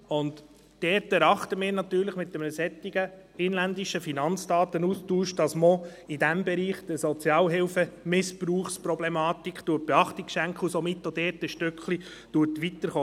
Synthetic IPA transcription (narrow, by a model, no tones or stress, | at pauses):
ʊnd | d̥ɛːɾtɛɾɑχt̪əmɪːɾnɑtyːɾləχmɪt̪əmɛsɛt̪ːiɡ̥əɪnlænd̪iʃəfinɑnt͡sd̥ɑːt̪ənustuːʃd̥ɑsmoidæmbɛɾiːχd̥̪əɾsɔt͡sjɑːlɦɪlfəmɪspruːχsprɔblɛmɑːtikχt̪ut̚b̥ɛɑχtikʃæŋkʰχusomɪtːodɛːtəʃtʏkχlid̥utʋit̪əɾχoː